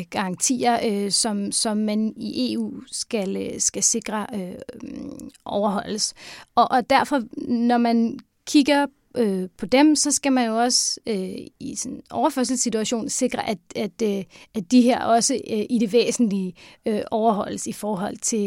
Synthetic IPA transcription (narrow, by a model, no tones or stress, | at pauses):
ɡ̥ɑ̈ɑ̈ŋt͡sʰḭːɐøsɒ̽msɒ̽mːæniʔe̝̰ṵːsɡ̥ælsɡ̥æse̝ɡ̥ʁɐø | ʔɒʊɐɦɒ̽l̰əsɒʔd̥æɐ̰fɒ̽nɒmæn | kʰiɡ̥ɐ | øpʰɒ̽d̥emsɒ̽sɡ̥æmænjo̝ɒ̽søisɔnʔɒʊɐføɐ̰s̬l̩sit͡sʰuæɕo̝̰ːnse̝ɡ̥ʁɐʔæ̥æd̥æd̥iɦe̝ɐ̰ɒ̽səʔide̝ʋḛːsn̩liʔɒʊɐɦɒ̽l̰əsifɒːɦɒ̽l̰t͡sʰe̝l